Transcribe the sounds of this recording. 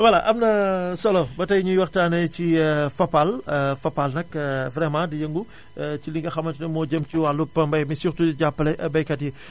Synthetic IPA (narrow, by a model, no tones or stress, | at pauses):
wɐlaʔɐmnɐsɔlɔbɐtɐjɲujwɐxtaːnɛcifɐpːalfɐpːalnɐkvɾɛmãdijəŋɡu | t͡ʃiliŋɡɐxɐmɐntunɐmɔːɟəmciwalupːɐmbɐjmisurtuɟapːɐlɛʔɐbɐjkɐtji